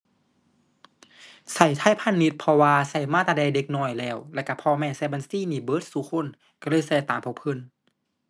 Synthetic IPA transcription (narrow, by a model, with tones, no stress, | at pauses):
sa˧˩jt̪ʰaː˧˥˨jpʰa˧˥˨nːi˧˦t̪̚pʰɔ˧waː˧sa˧˩jmaː˧˥˨t̪aː˧ɛː˧˨de˧k̚nɔː˧˩jlɛː˧˩wlɛ˧˩˨ka˧˩pʰɔː˧mɛː˧˩˨saː˧˩ba˧˨nsiː˧˥˨niː˧˩bɤː˧˦˥t̪̚suː˧˦kʰo˧˥˨n | ka˧˩lɤː˧˥˨jsaː˧˩t̪aː˨mpʰɔ˧pʰɤ˧˥˨n